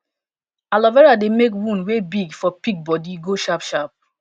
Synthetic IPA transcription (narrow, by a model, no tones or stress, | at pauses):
alɔvɛɹademekwũnwebiɡfɔpik̚bɔdiɡoʃapʃap̚